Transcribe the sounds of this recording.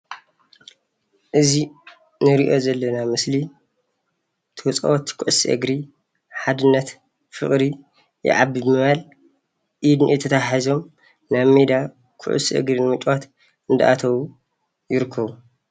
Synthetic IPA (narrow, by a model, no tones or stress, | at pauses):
ʔɨzi | nɨɾiʔo̞zɐlːɐnamɨsli | t̪ʰɨwt͡sʼɐ̰wot̪kʰuʕusiʔɨ̰ɡɾi | ħad̪ɨnːɐt̪ | fɨχʼɾi | jɛ̰ʕa̰bibɨmɨβal | ʔid̪nʔet̪ʰɐt̪ʰaħizo̞m | naβmed̪a | kʰʊ̰ʕṵsiʔɨ̰ɡɾinɨmɨt͡ʃʼwat̪ | ɨnd̪ɐ̰ʔa̰t̪ʰɐβu | jɪɾɨkʰːɐβu